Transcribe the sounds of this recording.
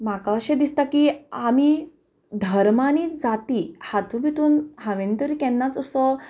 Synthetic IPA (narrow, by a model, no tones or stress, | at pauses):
makaɕed̪ist̪akiami | d̪ʱəɾmaniːd͡zat̪ihat̪ʰubit̪uːnɦaʋent̪əɾikɛnːat͡səsɔ